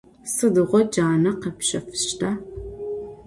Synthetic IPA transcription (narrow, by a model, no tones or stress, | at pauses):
sɨdɨʁʷɔd͡ʒaːnɐqɐpʃɐfɨ̥ɕtʰaː